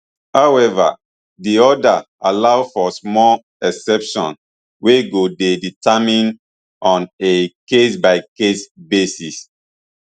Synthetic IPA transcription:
hawɛva̰ | diɔda | alawfɔsmɔl | ɛsɛpʃɔ̰̃n | weɡodeditamĩn | ʔɔ̃nekesbaɪkesbesis

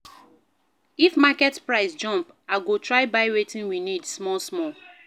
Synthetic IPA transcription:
ifmakɛtpɹaɪsd͡ʒɔ̃mp | aɡotɹaɪbaɪɹetĩnwinidsmɔsmɔ

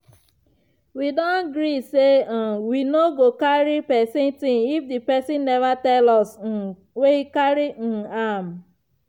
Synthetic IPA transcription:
widɔ̃nɡɾisẽwinoɡokaɾipɛsɪ̃ntĩŋifdipɛsɪ̃nːɛvatɛlɔs̩ | weikaɾin̩am̩

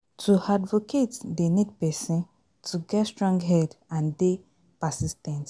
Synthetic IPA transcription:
tʰuadvoketdenid̚pɛsĩn | tʰuɡɛtstɹɔ̃ŋɡɦɛdãnde | pasistɛ̃nt

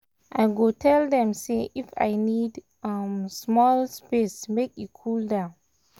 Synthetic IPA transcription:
ʔajɡotʰɛldɛ̃mseʔifa̰jnid | amsmɔlspesmekikʰuldã

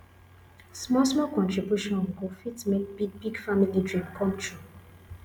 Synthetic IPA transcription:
smɔlsmɔlkɔ̃ntɹibjuʃɔ̃nɔvkofitmekbiɡ̚biɡfamilidɹĩmkʰɔ̃mtʰɹu

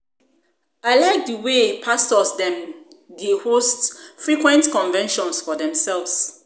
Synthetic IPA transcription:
aɪlaɪk̚dəwepʰastɔsdɛ̃m | dehostfɹikwɛ̃ntkɔ̃nvɛ̃nʃɔ̃nsfɔdɛ̃msɛlvs

